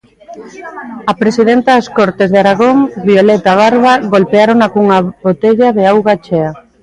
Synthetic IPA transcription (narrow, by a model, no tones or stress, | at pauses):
ɐpɾesiðent̪ɐðɐskoɾt̪ezðeaɾaɣoŋbiolet̪aβaɾβaɣolpeaɾonakuŋaβot̪eʎaðeawɣat͡ʃea